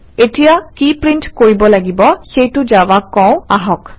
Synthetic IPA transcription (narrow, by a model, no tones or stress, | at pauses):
etijakipɹinʈkoɹibɔlaɡibɔxejtʊd͡ʒawakɔ̃w̃aɦɔk